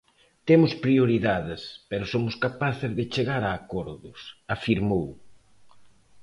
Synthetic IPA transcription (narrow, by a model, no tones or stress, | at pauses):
t̪emʊspɾioɾiðaðɪspeɾʊsomʊskapaθɪzðɪt͡ʃeɣaɾaːkoɾðʊsafiɾmow